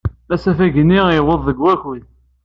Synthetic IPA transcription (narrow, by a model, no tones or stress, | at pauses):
æsæfæʝənːiʁiwəðˤːəɡwæçi